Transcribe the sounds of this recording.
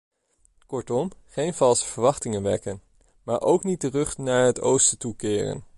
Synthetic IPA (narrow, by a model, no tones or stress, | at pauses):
kɔɹtɔmχejnv̥ɑlˠsə̥v̥əɹʋɑχtɪŋənʋɛ̰kən | maːɹʔowknit̚dərɵχnaːɹɦəto̰wstətukɪːrə̰n